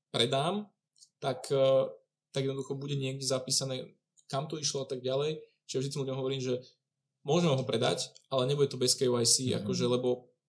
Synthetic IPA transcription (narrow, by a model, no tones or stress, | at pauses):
pɾɛd̪aːm | t̪ak | t̪aɡjɛd̪nɔd̪uxɔbuɟɛɲɪɛɡ̚dɛzapiːsanɛː | kamt̪ɔiʃlɔat̪aɡ̚ɟalɛj | t͡ʃiʒaʒd̪itt͡skimluɟɔmɦɔʋɔɾiːmʒɛ | mʊɔʒɛmɛɦɔpɾɛd̪a̰cʔalɛɲɛbuɟɛt̪ɔbɛskɛwajsiʔa̰kɔʒɛlɛbɔ